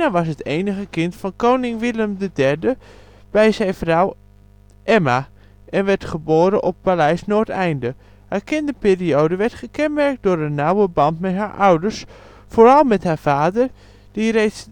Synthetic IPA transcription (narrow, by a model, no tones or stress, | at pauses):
aʋɑsɦətejnəɣəkɪntfɑnkownɪŋʋɪləmdədɛɹdə | b̥ɛjzɛjnfraw | ʔɛma | ʔɛnʋɛɹtχəboːɾəʔɔp̚palɛjsnoːtɛjndə | haːɹkɪndəpiːriowdəʋɛɹtχəkɛnmɛɹk̚t̚dʊːɾənːawəbɑntmɛtɦaːɹʔawdəɹs | foːɾɑlˠmɛtɦaːɹv̥aːdəɹ | d̥irejts